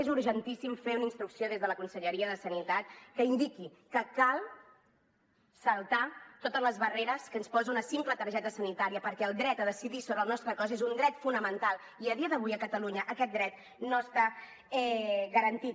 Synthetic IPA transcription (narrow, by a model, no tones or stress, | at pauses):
ezuɾʒənt̪isimfeunəinst̪ɾuksioð̞ezðələkunsəʎəɾiəðəsənit̪at̪̚kəind̪ikikəkalˠ | səlˠt̪at̪ot̪əzləzβəreɾəskənspɔziunəsimplət̪əɾʒɛt̪əsənit̪aɾiəpəɾkɛəlˠd̪ɾɛt̪əðəsiðisoβɾəlˠnɔst̪ɾəkɔzezund̪ɾɛt̪funəmənt̪alˠ | iəð̞iəðəβ̞ujəkət̪əluɲəʔːkɛt̪̚d̪ɾɛt̪̚ | noəst̪a | ɛɣəɾənt̪it̪̚